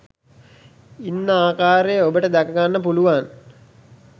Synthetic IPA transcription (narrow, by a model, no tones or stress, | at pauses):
inːəaːkaːɾejəobəʈəd̪ækəɡanːəpuluʋan